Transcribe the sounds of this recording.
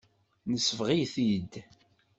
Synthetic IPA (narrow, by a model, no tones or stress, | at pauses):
nəsːəfʁijθid̪